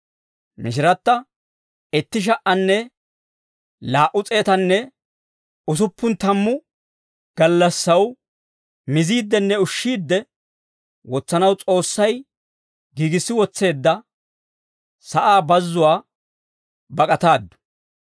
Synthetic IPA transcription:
mɪʃ̬ɪɾɐt̪ːɐ | ɛt̪ːɪʃ̬ɐʔɐnːɛ | laːʔʊt͡sʼe̞ːt̪ɐnːɛ | ʊs̬ʊpːʊnt̪ɐmːʊ | ɡ̥ɐlːɐsːɐw | mɪziːd̪ːɛnːɛʊʃːiːd̪ːɛ | wɔt͡sːɐnɐwt͡sʼo̞ːsːɐj | ɡiːɡɪsːɪwɔt͡sːe̞ːd̪ːɐ | sɐʔaːbɐzːʊwaː | bɐkʼɐt̪aːd̪ːʊ̥

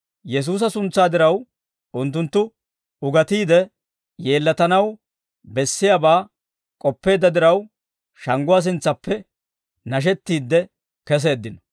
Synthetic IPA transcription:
jɛs̬uːs̬ɐsʊnt͡sːaːd̪ɪɾɐw | ʊnt̪ːʊnt̪ːʊ | ʊɡɐt̪iːd̪ɛ | je̞ːlːɐt̪ɐnɐw | bɛsːɪjabaː | kʼɔpːe̞ːd̪ɐd̪ɪɾɐw | ʃɐŋɡʊwaːs̬ɪnt͡sːɐpːɛ | nɐʃ̬ɛt̪ːiːd̪ːɛ | kɛs̬e̞ːd̪ːɪnɔ̥

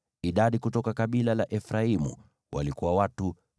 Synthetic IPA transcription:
iɗaɗikutɔkakaɓilalaʔɛfɾaimṵ | wʔa̰likuwawatu

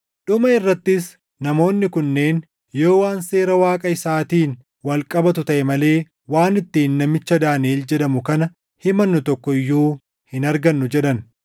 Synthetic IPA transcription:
ᶑʊmɐɪrːɐt̪ːɪs | nɐmo̞ːnːɪkʊnːe̞ːn | joːwaːnse̞ːɾɐwaːkʼɐɪsaːt̪iːn | wɐlkʼɐbɐt̪ʊt̪ɐʔɛmɐle̞ː | waːnɪt̪ːiːnːɐmɪt͡ʃːɐd̪aːneːld͡ʒɛᶑɐmʊkɐnɐ | hɪmɐnːʊt̪ɔkːɔɪjːuː | hɪnɐɾɡɐnːʊd͡ʒɛᶑɐn

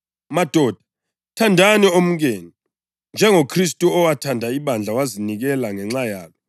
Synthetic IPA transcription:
mad̥ʱɔːd̥ʱḁ | tʰandʱaniom̩ɣ̬eːni | nd͡ʒʱɛŋokʰris̬tʼuɔwatʰandʱaiβand͡ɮʱawaziniɣɛlaŋɛŋ͡ǁajaːlɔ

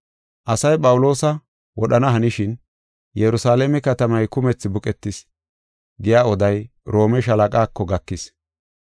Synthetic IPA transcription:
ʔɐsɐjpʼɐwlo̞ːsɐ | wɔɗɐnɐɦɐnɪʃɪn | jɛɾʊsaːlemɛkɐt̪ɐmɐjkʊmɛt͡sːɪbʊkʼɛt̪ːɪs | ɡɪjaːɔd̪ɐj | ɾo̞ːmɛʃ̬ɐlɐkʼaːkːɔɡɐkːɪs

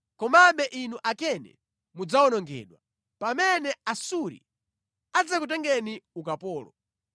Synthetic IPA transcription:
kɔmambɛʔinuʔakɛnɛ̰ | mud͡zaɔnɔŋɡɛ̰ːɗwa | pamɛnɛasuɾḭ | ad͡zakut̬ɛŋɡɛniukapɔːlɔ̰

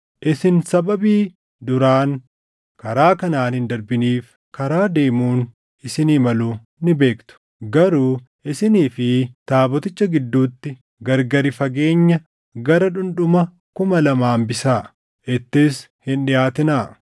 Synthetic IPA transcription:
ʔɪsɪnsɐbɐbiː | d̪ʊɾaːn | kɐɾaːkɐnaːnhɪnd̪ɐɾbɪniːf | kɐɾaːd̪e̞ːmuːn | ɪsɪniːmɐluː | nɪbe̞ːkt̪ʊ̥ | ɡɐɾuː | ʔɪsɪniːfɪt̪aːbɔt̪ɪt͡ʃːɐɡɪd̪ːuːt̪ːɪ | ɡɐɾɡɐɾɪfɐɡe̞ːɲːɐ | ɡɐɾɐᶑʊnᶑʊmɐ | kʊmɐlɐmaːmbɪsaː | ʔɪt̪ːɪs | hɪnɗɪjaːt̪ɪnaː

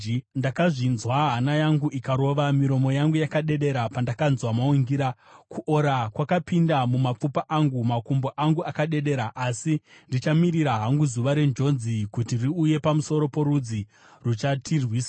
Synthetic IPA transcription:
ndakaʐinzwaɦanajaŋɡuʔikaɾo̞ʋamiɾo̞mo̞jaŋɡujakaɗe̞ɗe̞ɾapandakanzwamauŋɡiɾa | kuʔo̞ɾakwakapindamumap͡fupaʔaŋɡumakumboʔaŋɡuakaɗe̞ɗe̞ɾaʔasindit͡ʃamiriɾaɦaŋɡuzuʋaɾe̞nd͡ʒo̞nzikutiriuje̞pamuso̞ɾo̞po̞ɾud͡zi | rut͡ʃatʰirwiːsa

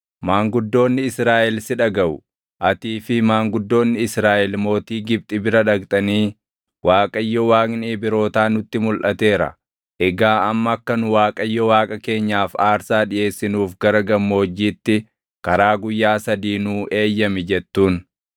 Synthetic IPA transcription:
maːŋɡʊd̪ːo̞ːnːɪɪsɾaːʔɛlsɪᶑɐɡɐʔʊ | ʔɐt̪iːfɪmaːŋɡʊd̪ːo̞ːnːɪɪsɾaːʔɛlmo̞ːt̪iːɡɪb̚t̪ʼɪbɪɾɐᶑɐkt̪ʼɐniː | wʔaːkʼɐjːɔwaːkʼniːbɪɾo̞ːt̪aːnʊt̪ːɪmʊlʔɐt̪e̞ːɾɐ̰ | ʔɛɡaːɐmːɐːkːɐnʊwaːkʼɐjːɔwaːkʼɐke̞ːɲːaːfaːɾsaːᶑɪje̞ːsːɪnuːfɡɐɾɐɡɐmːo̞ːd͡ʒːiːt̪ːɪ | kɐɾaːɡʊjːaːsɐd̪iːnuːʔe̞ːjːɐmɪd͡ʒɛt̪ːuːn

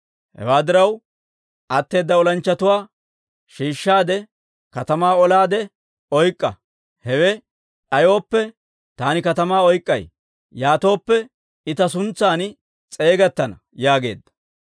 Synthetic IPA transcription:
hɛ̰waːd̪ɪɾɐw | ʔɐt̪ːe̞ːd̪ːɐɔlɐnt͡ʃːɐt̪ʊwaː | ʃiːʃːaːd̪ɛ | kɐt̪ɐmaːɔlaːd̪ɛ | ɔjkʼːɐ̰ | hɛwɛ | ᶑɐjo̞ːpːɛ | t̪aːnɪkɐt̪ɐmaːɔjkʼːɐ̰j | jaːt̪o̞ːpːɛ | ɪt̪ɐs̬ʊnt͡sːaːn | t͡sʼe̞ːɡɐt̪ːɐnɐ | jaːɡe̞̰ːd̪ːɐ̥

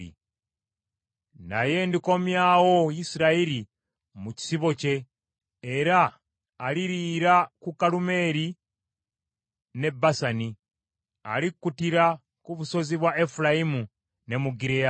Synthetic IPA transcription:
ḭ | na̰je̞ndiko̞mjawo̞jisiɾaiɾi | muci̥siβo̞ce̞ː | ɾaː | liɾiːɾakukːalume̞ːɾi | ne̞bːasani | a̰likːutiɾa | kuβuso̞ziβwaʔe̞fulajimu | ne̞muɡiɾea

